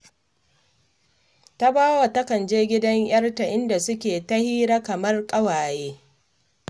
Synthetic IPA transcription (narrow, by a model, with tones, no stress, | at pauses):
ta˦baː˦wa˨tɐ˦kɐ˨nd͡ʒeː˦ɡʲɪ˦dɐ˦ŋj̰ɐ˦rta˨ʔɪ˦nda˨sʊ˦kʲeː˨tɐ˦hiː˦ɾa˦kɐ˨mɐ˦rkʼɐ˦waː˨jeː˦